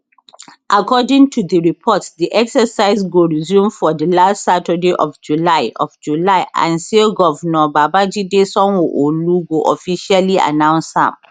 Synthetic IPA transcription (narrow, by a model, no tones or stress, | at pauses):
ʔakʰɔdĩŋtʰudəɹipʰɔtsdiʔɛksəsaɪzɡoɹizjũmfɔdəlastsatədeʔɔvd͡ʒulaɪɔ̰vd͡ʒulaɪʔã̰nsilɡɔvnɔbabad͡ʒidesɔ̃nwuʔoluɡoʔɔfiʃalia̰nãʊ̃nsã̰m